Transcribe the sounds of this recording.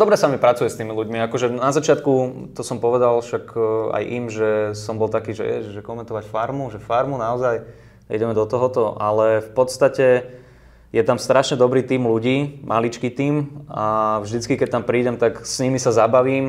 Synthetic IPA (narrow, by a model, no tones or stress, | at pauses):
d̪ɔbɾɛsamipɾat͡sujɛst̪iːmiluɟmiakɔʒɛnazat͡ʃɪat̪kut̪ɔsɔmpɔʋɛd̪alʃaka̰jʔimʒɛsɔmbɔlt̪akiːʒɛ̰jɛ̰ʒɛkɔmɛnt̪ɔʋacfaɾmuʒɛfaɾmunaɔzaj | ḭɟɛmɛd̪ɔt̪ɔɦɔt̪ɔʔalɛfpɔt̪st̪acɛ | jɛt̪amst̪ɾaʃɲɛd̪ɔbɾiːt̪iːmluɟiːmʔalit͡ʃkit̪iːmavʒd̪it͡skikɛc̚t̪ampɾiːɟɛmt̪aksɲimisazabaʋiːm